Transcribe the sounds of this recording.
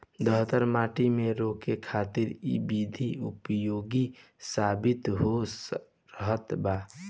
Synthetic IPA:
d̪əɦt̪əɾmaʈimeɾokekʰat̪iɾḭbid̪ʱiupjoɡi | sabit̪ɦo | ɾəɦət̪baː

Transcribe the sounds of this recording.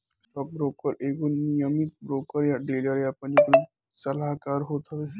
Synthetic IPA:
sɔp̚bɾoːkəɾekonijəmik̚bɾoːkəɾjaɖeːləɾjapə̃nd͡ʒokli | səlakaːɾɦot̪ɦɔbe

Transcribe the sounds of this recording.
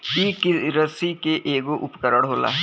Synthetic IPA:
iːkiɾəsikeʔeːɡoʔʊpkəɾəɽɦoːla̰ːɦ

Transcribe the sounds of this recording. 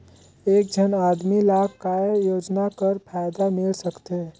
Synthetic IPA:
eːk̚d͡ʒʱənaːd̪milaːkajoːd͡ʒnakəɾpʰaːjd̪amɪlsəkt̪eɦɛ

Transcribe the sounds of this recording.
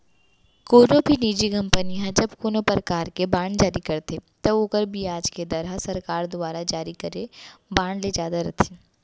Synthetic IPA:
koːnõbʱiniːd͡ʒikɐ̃mpəniɦɛ̃d͡ʒɐbkoːnopɾəkaːɾkebaːɳd͡ʒaːɾikɐɾt̪et̪ɐoːkəɾbʱiaːd͡ʒked̪ɐɾasɐɾkaːɾd̪ʊaːɾad͡ʒaːɾikɐɾebaːɳled͡ʒjaːd̪aɾɐt̪ʰi̥ː

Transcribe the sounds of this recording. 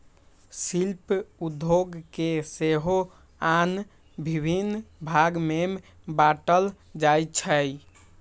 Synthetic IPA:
silpud̪ʱoɡkeseɦo | an | bʱibʱinbʱaɡmem | baʈəl | d͡ʒajt͡ʃʰəj

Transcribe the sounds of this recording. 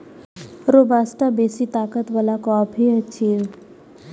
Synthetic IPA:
ɾobaːsʈabeːsit̪aːkət̪ʋəlakɔːpʰiət͡ʃʰi

